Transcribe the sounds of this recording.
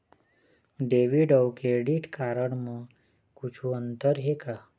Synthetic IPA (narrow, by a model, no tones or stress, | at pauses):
ɖeʋiɖəwkeɽiʈkaɾəɳmə | kut͡ʃʰuənt̪əɾɦeka